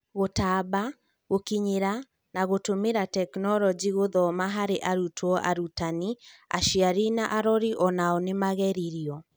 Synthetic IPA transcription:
ɣotaːba | ɣokiɲeɾa | naɣotomeɾatɛknɔɾɔd͡ʒiɣoðɔmaɦaɾeʔaɾutʰwɔʔa̰ɾutania̰ʃiaɾinaʔaɾɔɾiʔɔnaɔnemaɣɛɾiɾiɔ

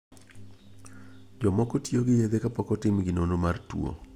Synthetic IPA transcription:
d͡ʒɔmɔkɔtjoɡɪjed̪ekapɔkɔtɪmɡɪnonomartwo̰

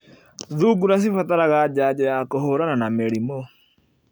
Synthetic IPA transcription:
ðuːɡuɾas̬ifataɾaɣad͡ʒaːd͡ʒajakoɦoɾananameɾimo

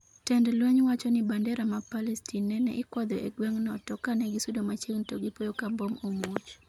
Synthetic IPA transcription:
tɛndlwɛɲwat͡ʃɔnɪbandɛɾamapalɛstinːɛnɛ̰ʔɪkwɔd̪ɔʔeɡweŋnɔtɔkanɛɡisudomat͡ʃeŋtoɡɪpojokambomomot͡ʃ

